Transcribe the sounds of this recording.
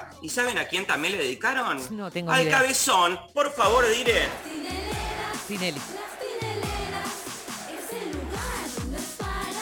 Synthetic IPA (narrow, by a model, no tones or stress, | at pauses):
isaβenakjent̪amjenle̞ðeðikaɾonnot̪eŋɡalkaβesonpoɾfaβoɾðiɾe | pineli